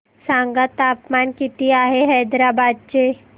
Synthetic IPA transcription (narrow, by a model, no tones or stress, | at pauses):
sãːŋɡat̪aːpmaːnkit̪iaːɦeɦɐːd̪ɾaːbaːd̪̚t͡ʃe